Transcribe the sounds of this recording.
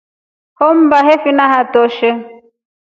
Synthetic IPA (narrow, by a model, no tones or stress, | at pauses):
hɔm̩baɦefinaɦatɔʃɛ